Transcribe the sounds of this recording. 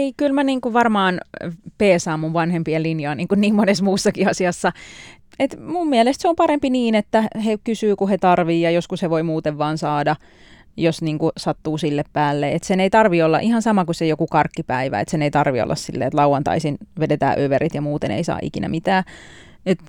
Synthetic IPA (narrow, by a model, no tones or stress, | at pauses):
eikylmæniːŋkuʋɑrmɑːnpeːsæːmːuʋʋɑnhempielinjoiniːŋkunniːmmonesmuːsːɑkiɑsiɑsːɑ | et̪mummielest̪seompɑɾempiniːnet̪ːæhekysyːkuhet̪ɑrʋiːjɑjoskusheʋoimuːt̪eʋʋɑːnsɑːdɑ | josniːŋkusɑt̪ːuːsilːeppæːlːeet̪seneit̪ɑrʋiolːɑ̰ʔihɑnsɑmɑkusejokukɑrkːipæiʋæ̰ḛt̪seneit̪ɑrʋio̰lːɑ̰ssilːḛːet̪lɑuɑnt̪ɑ̰isinʋedet̪æ̰ːʔøʋeɾit̪jɑmuːt̪enḛisɑ̰ːʔḭkinæ̰mit̪æː | et̪